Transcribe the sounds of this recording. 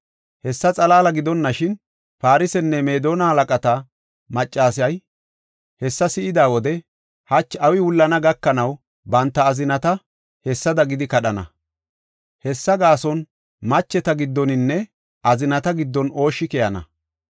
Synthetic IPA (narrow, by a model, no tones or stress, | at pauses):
hɛsːɐt͡sʼɐlaːlɐɡɪd̪ɔnːɐʃɪn | faːɾɪsɛnːɛme̞ːd̪o̞ːnɐhɐlɐkʼɐt̪ɐ | mɐt͡ʃʼːaːs̬ɐj | hɛsːɐsɪɪd̪aːwɔd̪ɛ | hɐt͡ʃːɐwɪwʊlːɐnɐɡɐkːɐnɐw | bɐnt̪ːɐːzɪnɐt̪ɐ | hɛsːɐd̪ɐɡɪd̪ɪkɐɗɐnɐ̰ | hɛsːɐɡaːsɔn | mɐt͡ʃːɛt̪ɐɡɪd̪ːɔnɪnːɛ | ɐzɪnɐt̪ɐɡɪd̪ːɔno̞ːʃːɪkɛjɐnɐ̰